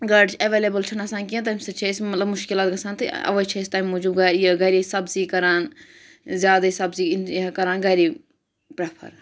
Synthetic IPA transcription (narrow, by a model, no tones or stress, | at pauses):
ɡɐɖt͡ʃʰɐʋeːleːbəlt͡ʃʰɐnɐsãːnk̬iẽt̪̬aːmsɐt͡ʃʰeɪsmɐt̪lɐbmʊʃkɪlaːt̪̚ɡɐsaːnt̪ɨɐ̰ʋət͡ʃʰɐɪst̪aːjmːoːd͡ʒuːbɡɐɾiəɡɐɾisɐbziːkɐɾaːn | zʲjaːd̪aisɐbziːnkɐɾaːnɡɐɾi | pɾɐpʰɐ̰ɾ